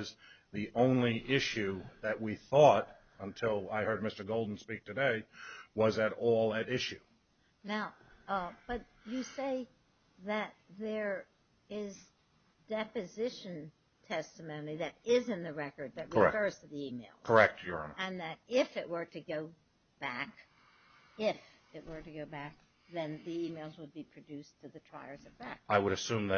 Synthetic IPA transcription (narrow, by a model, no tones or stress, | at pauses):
zðiʔõʊ̃nliʔɪʃʉðɨʔ̚wiθɔɾ | ə̃ntʰɪlˠaɪhɜ˞d̚mɪstə˞ɡoʊlˠdⁿn̩spik̚tʰɨdeɪwʌzɨɾɔlˠɨɾɪʃʉ | naʊb̥ʌt͡ʃ | ɨseɪ | ðɨt̪̚ðə˞ | ɪz | d̥ɛpɨzɪʃɨ̃n | tʰɛstɨmõʊ̃nliðɨɾɪzɨ̃nðɨɹɛkə˞d̪̚ðɨt̚ɹiə˞ɛ̰fɜ˞z̥tʰɨðiimeɪlˠkʰə˞ɛk̚tʰjə˞ɑ̰̃nɨ̃nðɨɾɪfɪʔwə˞ɾɨɡoʊ | b̥æk | ɪf | ɪʔ̚wə˞ɾɨɡoʊbæk̚ | ðɨ̃nðiimeɪlˠzwəd̚bipʰɹ̥ɨdʉstʰɨðɨtʰɹ̥a̰ɪə˞zɨ̥æ̰k̚aɪwəɾɨsʉ̃mðɨ